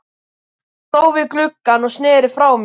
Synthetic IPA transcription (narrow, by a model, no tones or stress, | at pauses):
θoːwvɪðklʏkːanɔɣsnɪːɾɪ̥fɾaːwm